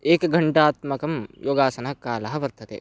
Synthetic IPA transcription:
eːkɡɐɳʈaːt̪mɐkɐmjoːɡaːsɐnɐɐkaːlɐɦɐʋɐɾt̪ʰɐt̪ḛː

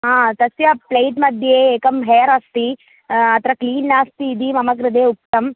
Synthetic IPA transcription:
ɦãːt̪ɐsjɐplejʈmɐd̪ʱjeːeːkɐmɦeːɐɾast̪i | ɐt̪ɾɐkliːnːaːst̪iːd̪imɐmɐkɾɐd̪eːuk̚tt̪ɐm

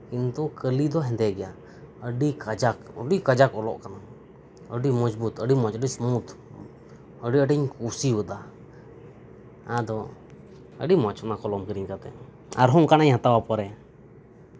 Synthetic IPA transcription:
kint̪ukəlid̪ɔɦɛnd̪ɛɡɛja | əɖikad͡ʒakɔ̰ɖikad͡ʒakɔlɔ̰ʔkana | əɖimɔd͡ʒbut̪əɖimɔt͡ʃəɖismut̪ | əɖiəɖiɲkusiwud̪a | ãd̪ɔ | ə̰ɖimɔt͡ʃɔnakɔlɔmkəɾiɲkat̪ɛ̰ | a̰ɾɦɔŋkanaɲhat̪awapɔɾɛ

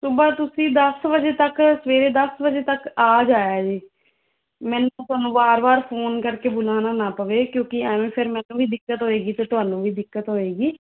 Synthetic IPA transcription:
sʊbaːt̪ʊsĩːd̪əsbəd͡ʒeːt̪əksəʋeːɾeːd̪əsbəd͡ʒeːt̪əkaːd͡ʒaːjaːd͡ʒiː | mɛ̃ːnũːt̪ʊɦaːnũːbaːɾbaːɾpʰoːnkəɾkeːbʊlaːnaːnaːpəʋeːkjõːkɪɛːʋẽːpʰɪɾmɛ̃ːnũːbiːd̪ɪkːət̪ɦoːeːɡiːt̪eːt̪ʊɦaːnũːʋiːd̪ɪkːət̪ɦoːeːɡiː

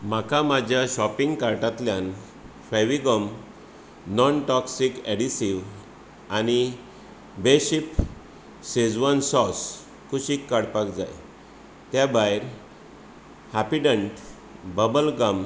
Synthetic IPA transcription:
makamad͡ʑʱjaɕɔpiŋɡkaɾʈat̪ljãn | faʋiɡəm | nɔnʈɔksikeɽisiʋ | añi | beɕip | sed͡zʋansɔs | kʰuɕikːaɽpakd͡za̰j | t̪jabajɾ | hapiɖə̃ɳʈ | bəbəlɡam

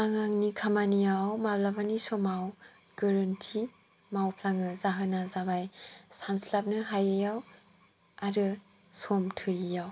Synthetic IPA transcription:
aŋaŋnikʰamanijawmablabanisɔmawɡ̥ɐɾɯntʰi | mawpʰlaŋɯzaɦɯnazabajsanslap̚nɯɦajajaw | aɾɯ | sɔmtʰɯɾijaw

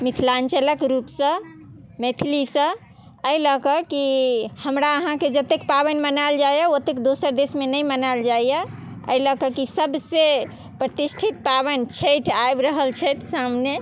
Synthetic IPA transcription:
mit̪ʰlant͡ʃələkɾupsə̃met̪ʰilisə̃ | əiləkəkihəmɾaəɦãked͡ʒət̪ːekpabənmənald͡ʒajjəot̪ekd̪osəɾd̪esmenəjmənald͡ʒajə | ə̰iləkəkisəbse | pɾət̪isʈʰit̪̚pabənt͡ʃʰəjʈʰaebɾəɦəlt͡ʃʰɛt̪samne

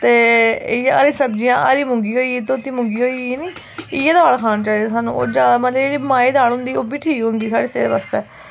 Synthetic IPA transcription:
t̪eːjəɾiːsəb̚d͡ʒijãːʔəɾiːmʊ̃ŋɡiːɦoːiːt̪oːt̪iːmʊ̃ŋɡiːoːiniː | ɪjed̪aːɽkʰaːnt͡ʃaːiːd̪eːsaːnṵ̃ːo̰ːd͡ʒjaːd̪aːmət̪ləd͡ʒeːɽiːmaːiːd̪aːɽɦʊ̃nd̪iːoːbiːʈʰiːkɦʊ̃nd̪iːsaːɽeːseːd̪eːʋaːst̪eː

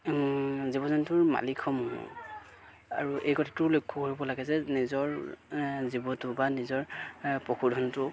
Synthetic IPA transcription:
zibɔzɔntʊɹma̰likʰɔmɔnɔ̰ | a̰ɹuʔejkɔtʰḁtʊlojkʰːɔkoɹibɔlaɡɛzɛnizɔɹ | zibɔtʊbanizɔɹpɔkʰudʱɔntʊ

